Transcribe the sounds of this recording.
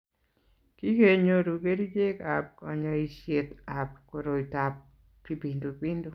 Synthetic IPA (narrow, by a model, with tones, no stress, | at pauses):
ki˦ke˨ɲo˦ɾu˨ɡe˦ɾi˦d͡ʒe˦ka˨p̚ɔ˨ɲɔ˨i˨ʃje˨ta˨p̚ko˨ɾo˨i˨ta˨p̚ː | i˨pi˨ndu˨pi˦ndu˦˨